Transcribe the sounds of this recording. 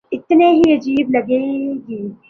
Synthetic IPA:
ɪt̪neɦiɐd͡ʒiːblɐɡeːɡiː

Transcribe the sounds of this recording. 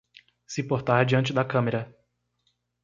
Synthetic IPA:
sɪpoɾt̪aɾd͡ʒiɐ̃nt͡ʃɪd̪ɐkɐ̃meɾɐ

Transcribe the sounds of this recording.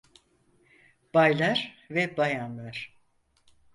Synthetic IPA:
b̥ajlˠaɾvɛbajanlˠaɾ̥

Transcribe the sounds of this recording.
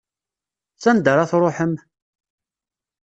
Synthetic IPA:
sænd̪əɾaθɾˤoħəm

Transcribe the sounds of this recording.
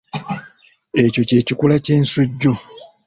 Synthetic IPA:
eco̞ce̞ːcikulace̞ːnsuɟːo

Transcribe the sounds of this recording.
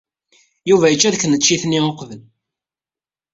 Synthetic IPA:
juvæjət͡ʃːæðkənəːt͡ʃːiθnːioqvəl

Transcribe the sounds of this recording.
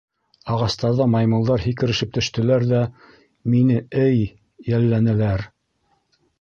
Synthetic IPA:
ɑʁɑst̪ɑɾðɑmɑjmɤ̆lˠd̪ɑɾɦikɘ̆ɾɘ̆ʃɘp̚t̪ɵ̆ʃt̪ɘ̆læɾðæ | minɘɘjː | ælːænælæɾ

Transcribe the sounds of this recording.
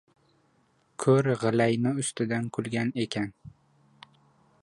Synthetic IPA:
kʰɵɾʁɨlajnɪʊst̪ɪd̪ankʰʊlˠɡʲane̞kʲʰan

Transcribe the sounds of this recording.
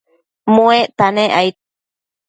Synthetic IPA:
mũeʔt̪anẽʔajt̪̚

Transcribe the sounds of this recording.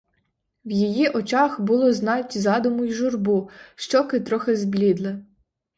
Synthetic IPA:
wjijiʔɔt͡ʃɑxbʊlˠɔznɑtʲzɑd̪ʊmʊjʒʊrbuʃt͡ʃɔkɪt̪ɾɔxɪzblʲid̪lˠɪ

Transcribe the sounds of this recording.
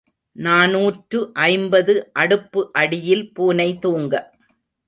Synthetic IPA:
naːnuːʈrɯʔɐɪmbɐðɯʔɐɽɯpːɯʔɐɽɪjɪlpuːnɐɪt̪uːŋɡɐ

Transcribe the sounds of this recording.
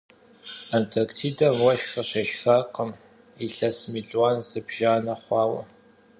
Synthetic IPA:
antʰɐrktʰiːdɐmwɐʃxɐɕɐʃxaːqəm | iɬɐsmiɮʼwaːnz̥ɨbʒaːnɐχʷɑːwɐ̰

